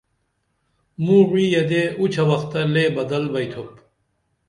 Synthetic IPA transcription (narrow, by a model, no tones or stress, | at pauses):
mũːʁiːjɐd̪eut͡ɕʰɐwɐxt̪ɐleːbɐd̪ɐlbɐjt̪ʰop